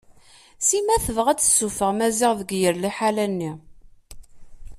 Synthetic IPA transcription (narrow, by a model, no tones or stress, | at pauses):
simæθəvəʁæt͡sːə̥sːufəʁmæziʁðəɡjəɾliħalænːi